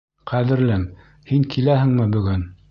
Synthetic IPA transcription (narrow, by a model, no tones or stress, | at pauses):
qʰæðɘ̆ɾlɘm | hiŋkʰilæhɘ̆ŋmɘbɵ̆ɡɘn